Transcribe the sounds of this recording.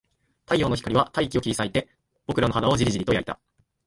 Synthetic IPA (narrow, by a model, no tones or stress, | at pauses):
t̪aijo̞ːno̞çi̥kaɾʲiβat̪aikʲio̞kʲiisait̪e̞ | b̥o̞kɯ̟ɾano̞ɦad̪aod͡ʑiɾʲiʑiɾʲit̪oja̰it̪a̰